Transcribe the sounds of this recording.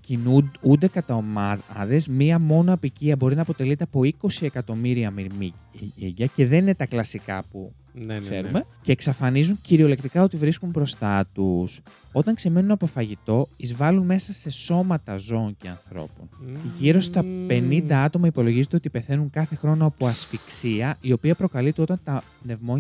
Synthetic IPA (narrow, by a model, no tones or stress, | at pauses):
cinuund̪ekɐt̪ɐomɐðe̞zmiɐmo̞noɐpiciɐbo̞ɾinɐːpo̞t̪e̞lit̪eɐpo̞iko̞sie̞kɐt̪o̞miɾiɐmi | ḭɟɐce̞ðe̞nine̞t̪ɐklɐsikɐ̰pu | kse̞̰ɾume̞ce̞ːksɐfɐnizuɲciɾio̞le̞kt̪ikɐo̞t̪ivɾiskumbɾo̞st̪ɐt̪us | o̞t̪ɐŋkse̞menunɐpo̞fɐʝit̪o̞izvɐlunme̞sɐseso̞mɐt̪ɐzo̞ːɲce̞ɐ̰nθɾo̞̰po̰nʝiɾo̞st̪ɐpe̞nind̪ɐɐt̪o̞mɐipo̞lo̞ʝizot̪eot̪ipeθe̞nuŋkɐθe̞xɾo̞noɐpoɐsfiksiɐʔio̞piɐpɾo̞kɐlit̪eo̞t̪ɐnt̪ɐpne̞vmo̞